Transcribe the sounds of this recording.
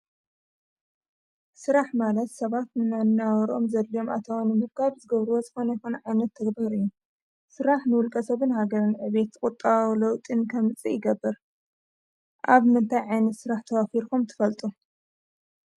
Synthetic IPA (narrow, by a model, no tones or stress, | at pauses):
sɨɾaħmalɐt̪sɐβat̪nɨnannawɐɾʔo̞mzɐlːijo̞ma̰t̪ʰawnːɨmɨkʰaβzɨɡɐβɾuwozɨxo̞nɐjxonɐʕajnɐt̪ʰːɐɡbaɾɨjːu | sɨɾaħnɨwʊlkʼɐsɐβɨnhaɡɐɾɨnʕɨβe̞t̪ɨkʼut̪ʼːawlɐwt̪ʼɨnkʰɐmɨt͡sʼijɪɡɐbːɐɾ | ʔaβmɨnt̪ʰajʕajnɐt̪sɨɾaħt̪ʰɐwafiɾkʰumt̪ʰɨ̥fɐlt̪ʼu